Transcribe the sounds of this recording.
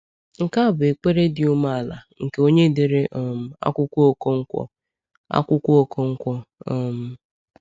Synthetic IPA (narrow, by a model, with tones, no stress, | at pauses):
ŋ̩˨ka˦˨bʊ˨e˨k͡pe˦ɾe˦dɪ˦u˦ma˦a˨la˨ŋ̩˨ke˨o˦ɲe˦dɪ˨ɾe˦ʔɔ˨m̩˦a̰˦kʷʊ˦kʷu˦o˦ko˦ŋ̩˦kʷɔ̰˦ | a̰˦kʷʊ˦kʷʊ˦o˦ko˦ŋ̩˦kʷɔ˦ɔ˦m̩˦